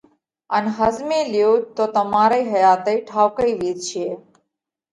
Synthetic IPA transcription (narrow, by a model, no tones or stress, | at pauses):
ənɦəzmẽːlɪjoːt̪oːt̪əmaːɾəiːɦəjaːt̪əiʈʰaːwkəiʋiːt̪̚t͡ʃʰeː